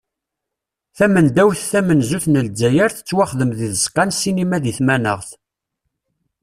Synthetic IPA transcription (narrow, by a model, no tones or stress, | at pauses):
θæmənd̪æwθθæmənzuθnəld͡zːæjəɾθə̥t͡sːwaχðəmðiðəsqːɑnsinimæðiθmænəʁθ